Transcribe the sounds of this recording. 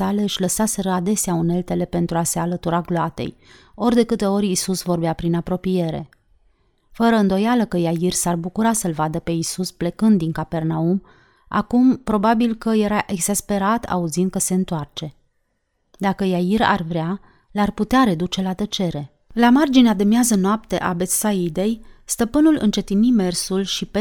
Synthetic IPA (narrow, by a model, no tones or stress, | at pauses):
ale̞ɨʃʲləsaseɾəad̪e̞seaune̞lt̪e̞le̞pe̞nt̪ɾuase̞alət̪uɾaɡloat̪e̞̰jo̞rʲd̪e̞kɨt̪e̞o̞rʲisusvo̞rbeapɾinapɾo̞pije̞ɾe̞̰ | fəɾəɨnd̪o̞jaləkəjairsarbukuɾasəlvad̪əpe̞isusplekɨnd̪ːiŋkape̞rnaum | a̰kumpɾo̞babilkəje̞ɾaʔe̞ɡz̥aspe̞ɾat̪a̰uzind̪̚kəse̞ɨnt̪oart͡ʃe̞ | d̪akəjaiɾa̰rvɾea | larput̪eaɾe̞d̪ut͡ʃe̞lat̪ət͡ʃe̞ɾe̞ | lamard͡ʒinead̪e̞mjazənoap̚t̪e̞̰ʔabe̞t̪said̪e̞jst̪əpɨnulʔɨ̰nt͡ʃe̞t̪inime̞rsulʃipe